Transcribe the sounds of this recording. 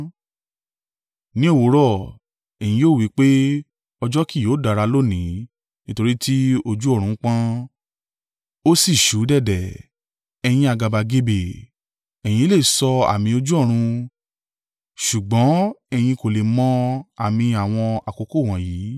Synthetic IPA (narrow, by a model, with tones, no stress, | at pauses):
nĩ˦o˦˨wo˨˦ɾɔ˦˨ | ɛ˨j̃ĩ˧joː˦˨wi˨˦k͡pe˦ | ɔ˧d͡ʒɔ˦ki˦˨joː˨˦˨da˨˧ɾa˧lo˦˨nĩ˨˦ | nĩ˦to˧ɾi˦tʰi˦o˧d͡ʒu˦ɔ˦˨ɾ̃ũ˨˦k͡pã˦ | o˦si˦˨ʃu˨˦dɛ˦˨dɛ˨ | ɛ˧j̃ĩ˧a˧˨ɡa˨ba˧ɡe˧be˨ | ɛ˨j̃ĩ˧˦le˦˨sɔ˧a̰˨mĩ˧o˧d͡ʒu˦ɔ˦˨ɾ̃ũ˧ | ʃu˨ɡ͡bɔ̃˨˦ɛ˧j̃ĩ˧ko˨le˨mɔ̃˧˦a˨mĩ˧a˨w̃ɔ̃˧a˨ko˨˧ko˦˨w̃ɔ̃˨jiː˨˦